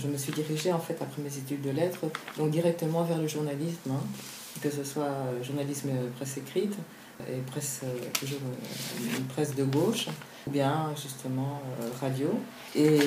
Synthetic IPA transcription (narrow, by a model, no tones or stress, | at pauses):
ʒəməsɥid̪iʁiʒeɑ̃fɛt̪apχɛmezet̪yd̪ːəlɛt̪χəd̪ɔ̃k̚d̪iʁɛk̚t̪əmɑ̃vɛʁləʒuʁnalismɛ̃ | kəsəswaøʒuʁnalismpχɛsekχit̪ | ḛpχɛsøt̪uʒuːʁynnpχɛsd̪əɡoʃ | ubjɛ̃ʒyst̪ʰəmɑ̃øʁad̪jo | e